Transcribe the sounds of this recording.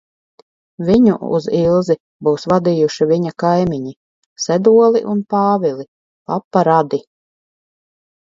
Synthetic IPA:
viɲṵʔṵzilˠzi | buwsvad̪iːjuʃivʲiɲakajmʲiɲi | sɛd̪uɔlˠḭʔunpaːvʲilˠi | papːaɾad̪i

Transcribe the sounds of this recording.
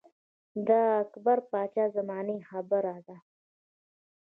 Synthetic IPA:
d̪aːkbaɾpɑːt͡ʃazamɑːnixabaɾaːd̪a

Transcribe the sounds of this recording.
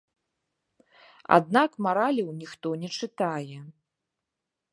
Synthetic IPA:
a̰d̪nakmaɾalʲɐwnʲixt̪ɔnʲɛt͡ʂɨt̪ajɛ

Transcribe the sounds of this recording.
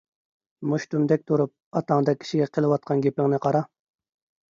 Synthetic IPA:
muʃt̪umd̪ɛk̚ʲt̪ʰuɾup̚ɑt̪ɑŋd̪ɑkʲʰi̥ʃiɡʲɛqʰəlˠɨwɑt̪̚qʰɑnɡʲepɪŋnɪqʰɑɾɑ

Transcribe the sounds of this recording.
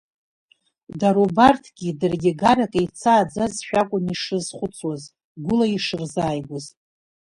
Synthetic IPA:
daɾubartʰɡʲidɨrɡʲeɡarakʼejt͡sʰaːd͡zazʃᶣakʷʼʊniʂɨzχʷʊt͡sʰwaz | ɡʷʊlaiʂɨrzaːjɡʷʊz

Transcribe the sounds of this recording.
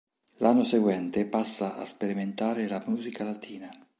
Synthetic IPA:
lʔanːoseɡwɛnt̪epasːaʔa̰speɾiment̪aːɾelamuːzikalat̪ʰiːna

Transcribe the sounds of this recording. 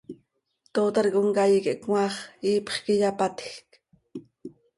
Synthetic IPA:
t̪oːt̪ɑɾkoŋkajikeʔkŋʷwɑːχiːpχkijapat̪xk

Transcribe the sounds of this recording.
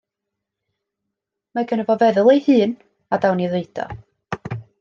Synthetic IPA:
maɡʰənəvɔvɛðəlˠejhɨːn | adawniðeɨd̥ɔ̰

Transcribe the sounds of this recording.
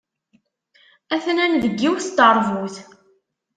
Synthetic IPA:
æθnænðəɡːiwst̪əɾˤvuθ

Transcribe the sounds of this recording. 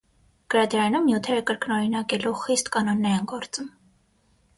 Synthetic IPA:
ɡ̥əɾɑd̪ɾɑnumnjut̪ʰɛɾəkəɾknɔɾinɑkɛluχist̪kɑnɔnːɛɾinɡɔɾt͡səm

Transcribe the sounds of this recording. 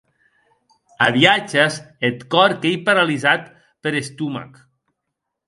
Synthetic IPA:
aβiad͡ʒezet̪kɔɾkejpaɾalizat̪ | peɾest̪uma̰k

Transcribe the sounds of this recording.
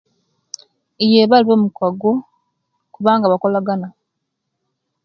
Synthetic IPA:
ijeβaliβomukwaɡo | kuβaːŋɡaβako̞laɡana

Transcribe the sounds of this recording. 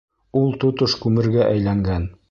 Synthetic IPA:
ulˠt̪ot̪oʃkʉmɘ̆ɾɡæʔæjlæŋɡæn

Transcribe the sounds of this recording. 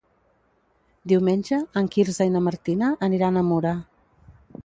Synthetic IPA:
d̪iwmenʲʒəəŋkiɾzajnəməɾt̪inəʔəniɾanəmuɾa

